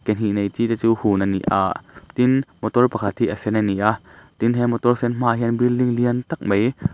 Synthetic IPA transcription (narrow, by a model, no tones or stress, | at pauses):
kɛnɦinejt͡siːt̪ɛt͡suːhuːnanːḭʔʔa̰ːʔt̪inmɔt̪ɔlpakʰat̪hiʔɐsɛnaniʔaʔt̪inɦɛmɔt̪ɔrsɛnm̥aːʔɦɛənbilliŋliənt̪ak̚mej